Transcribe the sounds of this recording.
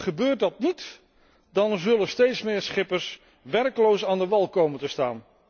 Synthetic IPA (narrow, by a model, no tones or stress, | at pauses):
χəbøːɹt̚dɑt̚nit | dɑnzɵlənstejtsmɪːɹsχɪpəɹs | ʋɛɹkəlowsaːndəʋɑlˠkowməntəstaːn